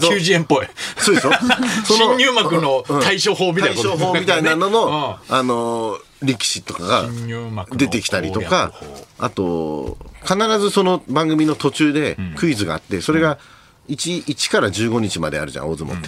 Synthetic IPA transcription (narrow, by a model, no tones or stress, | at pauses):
oɨːʑiẽmpoesoːd̪esɨjosonoɲʲɨːmakɯ̟noɯ̃t̪aiɕoːɦoːmʲit̪aiɕoːɦoːmmit̪ainano̞no̞ano̞ | ɾʲekʲi̥ɕit̪o̞kaɡa̰ | d̪e̞t̪e̞kʲi̥t̪aɾʲḭt̪o̞kaa̰t̪o̞ | kanaɾazɨso̞no̞bãŋɡɯmʲino̞t̪o̞t͡ɕɨːd̪e̞kɯ̟izɨɡa̰ːt̪ːe̞so̞ɾe̞ɡa | it͡ɕiit͡ɕi̥kaɾaʑɨːɡo̞ɲ̟it͡ɕima̰d̪e̞̰a̰ɾɯ̟ʑã̰o̞ːzɨmo̰t̪ːe